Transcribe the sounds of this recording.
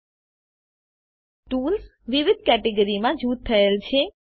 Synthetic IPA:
ʈuls | ʋɪʋɪd̪̚ʱkɛʈeɡəɾimãd͡ʒut̪t̪ʰːəelt͡ʃʰe

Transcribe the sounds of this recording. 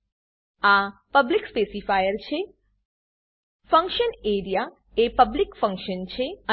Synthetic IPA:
apəblikspesifajəɾt͡ʃʰe | fə̃ŋkʃəneɾija | epəblikfə̃ŋkʃənt͡ʃʰeə

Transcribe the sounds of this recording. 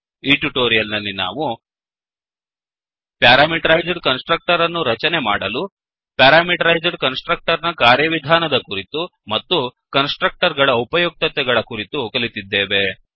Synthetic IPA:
iːʈuʈoːɾijɐlnɐlːina̰ːʋu | pjaːɾaːmiʈɐɾɐjd͡ʒɖkɐnsʈɾɐk̚ʈɐɾɐnːuɾɐt͡ʃɐnemaːɽɐlu | pjaːɾaːmiʈɐɾɐjd͡ʒɐɖkɐnsʈɾɐk̚ʈɐɾnɐkaːɾjɐʋid̪ʱaːnɐd̪ɐkuɾit̪umɐt̪ːukɐnsʈɾɐk̚ʈɐɾɡɐɭɐupɐjok̚t̪ɐt̪ɛɡɐɭɐkuɾit̪ukɐlit̪id̪ːeːʋe̞

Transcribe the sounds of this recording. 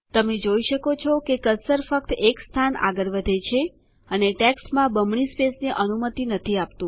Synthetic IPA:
t̪əmed͡ʒoiʃəkot͡ʃʰɔkekəsəɾfək̚t̪ekst̪ʰana̰ɡəɾʋəd̪ʱet͡ʃʰe | əneʈeksʈmãbəmɳispesniʔənumət̪inət̪ʰiap̚t̪ũ

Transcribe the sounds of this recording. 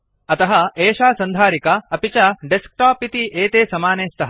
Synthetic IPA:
ɐt̪ɐɦɐeːʃaːsɐnd̪ʱaːɾikɐɐpit͡ʃɐɖesk̚ʈaːpit̪iʔeːt̪eːsɐmaːneːst̪ʰɐɦɐ

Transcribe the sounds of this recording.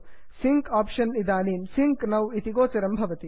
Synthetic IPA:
siŋkaːpʃɐnːid̪aːniːmsiŋknɐwit̪iɡoːt͡ʃɐɾɐmbʱɐʋɐt̪i

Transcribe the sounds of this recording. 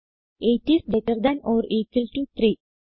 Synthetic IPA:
eʈisbeʈəɾd̪æ̃nɔːɾeːkəlʈut̪ɾi

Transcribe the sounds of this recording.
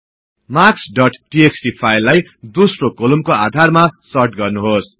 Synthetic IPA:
maksɖʌʈʈieksʈipʰajlːajd̪osrokolumkoad̪ʱarmasʌrʈ̚ɡʌrnuɦos

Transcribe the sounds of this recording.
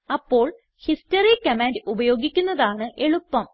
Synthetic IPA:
ɐpːo̞ːɭ | histɐrikːɐmaːndubɐjo̞ːɡikʲːunːɐðaːɳɨʔe̞ɭupːɐm

